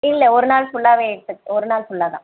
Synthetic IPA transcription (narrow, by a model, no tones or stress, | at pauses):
ɪlːɐɔɾɯnaːlsʊɭːaːʋeːɛɽɯt̪ːɯkːɔɾɯnaːlsʊɭːaːðã̰ː